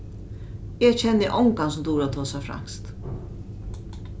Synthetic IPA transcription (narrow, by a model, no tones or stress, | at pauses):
ɛt͡ʃʰɛnːɪʔɔŋkans̬d̪uːɾat̪ʰoːsafɾa̰ŋ̥st̪